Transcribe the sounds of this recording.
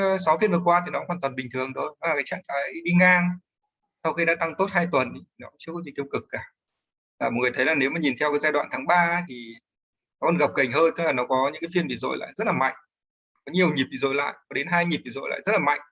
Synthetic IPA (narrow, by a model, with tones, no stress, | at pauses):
sa˨˦wfi˧ənvɨ˨˩əkwaː˧t̪ʰi˨nɔ˨˦˧hwaː˨˩t̪wa˨˩nɓï˨˩ŋ̟t̪ʰɨ˨˩əŋɗo˧ɗɔ˨˦lːa˨˩kaː˨˦jt͡ɕa̰ː˧˨ŋk̪aː˨˦jɗi˧ŋaː˧ŋ | sa˧wxi˧ɗa̰ː˧˥t̪a˧ŋt̪o˦˥t̚haː˧jt̪wə˨˩ni˨˦t̪ʰi˨˩nɔ˨˦kʊ̰˧˥ŋ͡mt͡ɕɨ˧kɔ˨˦zi˨˩t̪i˧əwkɨ˨˩k̚ːaː˧˩ | laː˨˩mo˨˩ŋɨ˨˩əjt̪ʰjlaː˨˩ne˨˦wmaː˨˩ɲi˨˩nt̪ʰɛ˧wkaː˨˦jzaː˧jɗwa̰ː˧˨nt̪ʰaː˨˦ŋɓaː˧˦t̪ʰi˨˩ | nɔ˨˦kɔ˧˦nɣə˨˩p̚kə˨˩jŋ̟həː˧nt̪ɨ˦˥laː˨˩nɔ˨˦kɔ˨˦ɲɨ̰˧˥ŋka˨˦fi˧ənɓḭ˧˨˩zo̰˧˨jla̰ː˧˨jzə˦˥t̚laː˨˩ma̰˧˨jŋ̟ | kɔ˨˦ɲi˨˩əwɲi˨˩p̚ɓi˨˩zo̰˧˨jla̰ː˧˨jkɔ˨˦ɗe˨˦nɦaː˧jɲi˨˩p̚ɓi˨zo̰˧˨jla̰ː˧˨zə˦˥t̚laː˨˩ma̰˧˨jŋ̟